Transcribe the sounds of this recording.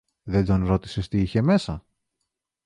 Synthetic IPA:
ðe̞d̪o̞nɾo̞t̪i̥se̞st̪iiçe̞me̞sɐ

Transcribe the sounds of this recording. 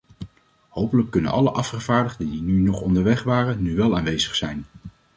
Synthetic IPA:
howpələkːɵnə̰nʔɑləʔɑfχəv̥aːɹdəχdədinynɔχɔndəɹʋɛχʋaːrənːyʋɛlˠaːnʋejzəχsɛjn

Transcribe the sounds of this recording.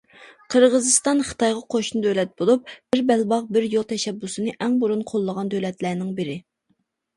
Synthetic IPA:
qʰəɾʁəzɨst̪ɑnχə̥t̪ʰɑjʁɑqʰoʃnɨd̪ølɛt̪̚bolˠup̚b̥ɪɾbɛlbɑʁbɪɾjolˠt̪ʰɛʃɛbːusɨnɨʔɛŋbuɾunqʰolˠːəʁɑnd̪ølɛt̪læːnɪŋbɪɾɪ

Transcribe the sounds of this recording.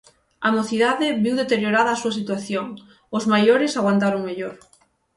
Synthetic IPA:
amoθiðaðɪβiwðet̪eɾjoɾaðɐːsuɐs̬it̪waθjoŋ | ʊzmajoɾɪsaɣwant̪aɾoŋmeʎoɾ

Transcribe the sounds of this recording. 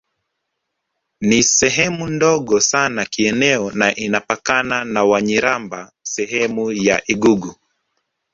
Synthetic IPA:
nisɛɦɛmundɔɠɔsanakiɛnɛɔnaʔinapakananawaɲiɾambasɛɦɛmuja̰ʔiɡuɡu

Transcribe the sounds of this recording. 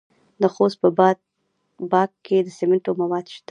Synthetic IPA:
d̪əxost̪̚pəb̪ | bɑkkːed̪əsemɪɳʈomawɑd̪ʃd̪

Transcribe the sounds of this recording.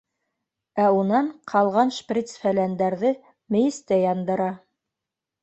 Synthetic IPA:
æunɑɴqʰɑlˠʁɑnʃprʲit̪sfælænd̪æɾðɘ | mɘ̆jɘ̆st̪æjɑnd̪ɤ̆ɾɑ

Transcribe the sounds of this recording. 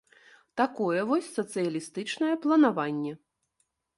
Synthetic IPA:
t̪akɔjɛvɔsʲsɐt̪sɨjɐlʲist̪ɨt͡ʂnɐjɛplˠɐnavanʲːɛ

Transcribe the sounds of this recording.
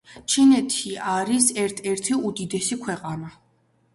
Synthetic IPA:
t͡ʃʰinɛt̪ʰiaɾisɛɾt̪ʰɛɾt̪ʰiud̪id̪ɛsikʰwɛqʼana

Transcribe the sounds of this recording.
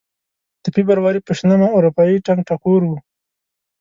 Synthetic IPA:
t̪əpibaɾwaɾipəʃnamaoɾupɑiʈaŋɡ̚ʈakuɾwu

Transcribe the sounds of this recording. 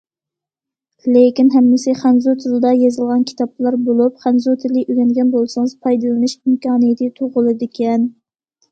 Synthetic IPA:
lekʲinɦɛmːɪsɪχænzut̪ʰɪlɪd̪ɑjɑzɨlˠʁɑnkʲʰi̥t̪ɑpːlˠɑɾbolˠupχænzut̪ʰɪlɪʔyɡʲɛnɡʲɛnbolˠsɨŋɨzpʰɑjd̪ɨlˠɨnɨʃimkɑːnɨjɪt̪ʰɪt̪ʰoʁʊlˠɨd̪ɪkʲʰɛn

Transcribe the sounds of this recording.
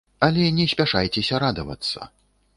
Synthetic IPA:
ɐlʲɛnʲɛsʲpʲaʂajt͡sʲɛsʲɐɾad̪ɐvɐ̰t̪sːɐ̰

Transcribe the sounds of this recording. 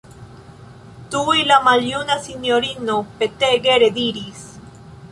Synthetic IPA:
t̪uilamaljunasinjoɾinopet̪eɣeɾeðiɾis

